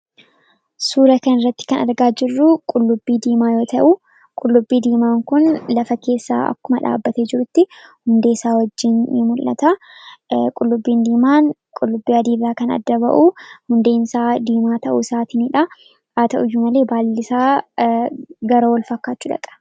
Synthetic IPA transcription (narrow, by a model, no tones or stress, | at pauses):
suːɾɐkɐnɪrːɐt̪ːɪ̥kɐnɐ̰ɾɡaːd͡ʒɪrːʊkʼʊlːʊbːiːd̪iːmaːjo̞ːt̪ɐʔu | kʼʊlːʊbːiːd̪iːmaːŋkʊnlɐfɐke̞ːsːa̰ːɐ̰kːʊmɐᶑa̰ːbːɐt̪eːd͡ʒɪɾʊt̪ːɪhʊnd̪eːsaːwɐd͡ʒːɪnmʊlːɐ̰t̪a | kʼʊlːʊbːiːnd̪iːmaːn | kʼʊlːʊbːiːɐd̪iːbɾaːkɐnɐ̰d̪ːɐbɐ̰ʔuhʊnd̪e̞ːnsaːd̪iːmaːt̪ɐʔṵsaːt̪ɪniᶑɐ | aːt̪ɐʔʊjːʊmɐleːbaːlːɪsaː | ɡɐɾɐwɐlfɐkːaːt͡ʃːʊᶑɐ̰kʼɐ̥